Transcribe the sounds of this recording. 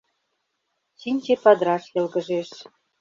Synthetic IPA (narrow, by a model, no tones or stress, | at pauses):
ɕinʲt͡ɕepɑd̪ɾɑʃjĕlɡə̆ʒeʃ